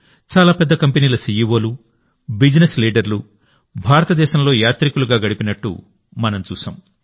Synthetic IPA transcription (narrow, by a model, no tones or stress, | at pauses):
t͡ʃaːlaːpɛd̪ːɐkɐmpeniːlɐsiːjiʋo̞ːlu | bid͡ʒnesliːɖɐɾlu | bʱaːɾɐt̪ɐd̪ɛːʃɐmlo̞ːjaːt̪ɾikuluɡaːɡɐɽipinɐʈːṵ | mɐnɐmt͡ʃuːsɐ̰ːm